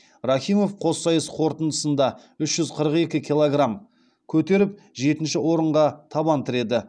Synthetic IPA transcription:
raχʲijmo̞fqʰo̞sːɑjəsqʰo̞ɾt̪ənd̪əsənd̪ɑ | ʏʃʒ̥ʏzqʰəɾəqe̞kʲɪkʲʰilˠoɡram | kʲʰɵt̪e̞ɾɪp̚ | ʒe̞t̪ɪnʃɪwo̞ɾəɴʁɑt̪ʰɑbɑnt̪əɾe̞d̪ɪ

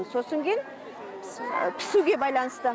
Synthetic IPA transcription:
nso̞səŋɡʲejn | pʰɪ̥suɡʲe̞bɑjlˠɑnəst̪ə

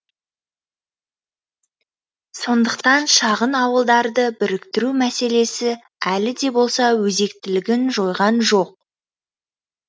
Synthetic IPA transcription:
so̞nd̪əq̚t̪ɑnʃɑʁənɑwəlˠd̪ɑɾd̪əbɪɾɪkt̪ɪɾumæse̞le̞sɪ | ælɪd̪e̞bo̞lˠsɑwɵze̞kt̪ɪlɪɡʲɪnʒo̞jʁɑnʒo̞q̚

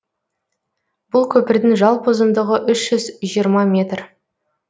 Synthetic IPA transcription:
b̥ʊlˠkʲʰɵpɪɾd̪ɪŋʒɑlˠpʰozənd̪əʁəʔʏʃʒ̥ʏzʒijəɾmɑmʲe̞t̪r

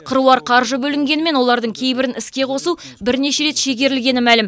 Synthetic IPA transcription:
qʰəɾuɑɾqʰɑɾʒəbɵlɪŋɡʲe̞nɪme̞nwo̞lˠɑɾd̪əɴkʲʰe̞jbɪɾɪnɪskʲe̞qʰo̞su | bɪɾne̞ʃeɾe̞t̪ʃe̞ɡʲe̞ɾɪlɡʲe̞nɪmælɪm

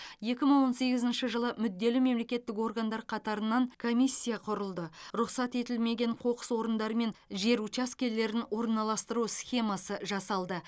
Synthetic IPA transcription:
je̞kʲɪməɴwo̞nse̞ɡʲɪzɪnʃəʒəlˠəmʏd̪ːe̞lɪme̞mle̞kʲe̞t̪ːɪko̞rɡand̪ɑɾqʰɑt̪ɑɾənɑŋkʰo̞mʲijsʲːijɑqʰʊɾəlˠd̪əɾʊqsɑt̪e̞t̪ɪlme̞ɡʲe̞ɴqʰo̞qə̥swo̞ɾənd̪ɑɾəme̞nʒe̞ɾut͡ʃaskʲe̞lle̞ɾɪnwo̞ɾənːɑlˠɑst̪əɾusʲχʲe̞mɑsəʒɑsɑlˠd̪ə

